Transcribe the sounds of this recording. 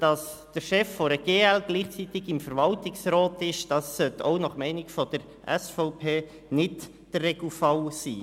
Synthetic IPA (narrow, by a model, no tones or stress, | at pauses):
d̥ɑsd̥əɾʃɛfːoɾəɡ̥eːælɡ̥liːχt͡sitɪɡɪmfəɾvɑltɪksɾɔːtɪʃd̥ɑsːœto̰ʊnɑχmɛɪnɪkfɔd̥əɾ | ʔɛ̰sfɔʊpʰeː | nɪt | d̥ərɛɡl̩fɑʊsiː